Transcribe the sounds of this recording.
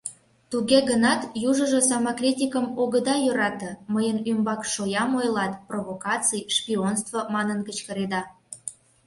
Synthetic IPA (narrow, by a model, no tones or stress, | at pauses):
t̪uɣeɣənɑt̪juʒəʒə̆sɑmɑkrʲitʲikəmoɣəd̪ɑjøɾɑt̪ə̆məjənymbɑkʃojɑmojlɑt̪provokɑt͡sijʃpʲionst̪vomɑnənkət͡ɕkəɾed̪ɑ